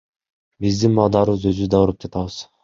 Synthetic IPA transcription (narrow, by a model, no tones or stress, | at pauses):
bizd̪inbɑlˠd̪ɑɾɯɯzø̞zyzd̪ɑuɾɯp̚d͡ʒɑt̪ɑβɯz̥